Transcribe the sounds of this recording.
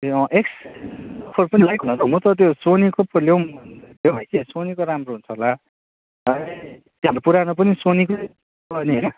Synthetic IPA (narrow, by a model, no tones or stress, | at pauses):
ʌ̃ʔeksʌpʰʌɾpʌnilʌjkunʌtʌɦumʌt̪ʌt̪josonikoplewljebʱajsesonikoɾamroɦunt͡sʰʌɦola | ʌ | t̪jeãɾepuɾanʌpʌnisoniko | pʌniɦʌjnʌ